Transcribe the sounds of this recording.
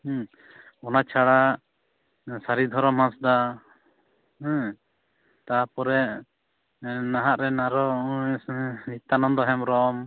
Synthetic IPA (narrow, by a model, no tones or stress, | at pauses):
ɔnat͡ʃʰaɽa | saɾid̪ʱɔɾɔmɦãsd̪a | t̪apɔɾɛʔ | naɦaʔɾɛnaɾɔ | it̪anɔmd̪ɔɦɛmɾɔm